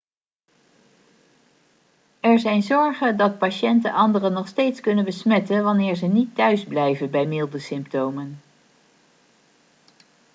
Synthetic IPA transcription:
ɛɹzɛjnzɔɹχəndɑt̚paʃɛntə̰nʔɑndərənɔχstejtskɵnənbəsmɛtənʋɑnɪːɹzənitːœɥzblɛjvənbɛjmɪlˠdəsɪmptowmən

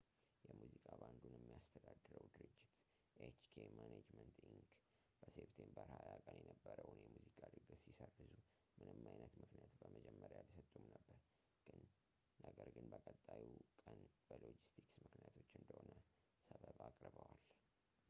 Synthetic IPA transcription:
jɛmuzikʼaband̪unjɛmːijast̪ʰəd̪ad̪ːɨɾəwd̪ɨɾɨd͡ʒːɪt̪ | ʔet͡ʃkʰemaned͡ʒmənt̪iŋk | b̥əseβt̪ʰembəɾhajakʼənjɛnəbːəɾəwʊnjɛmuzikʼad̪ɨɡəsisərːɨzu | mɨnɨmːajnət̪mɨknjat̪bəməd͡ʒɛmːəɾjalsət̪ʼːumnəbːəɾ | ɡ̥ɨnː | əɡəɾɡɨnbəkʼət̪ʼːajikʼənbəlod͡ʒist̪ʰiksmɨknijat̪ʰo̞t͡ʃːɨnd̪əhonə | səβəβakʼɾbəwal

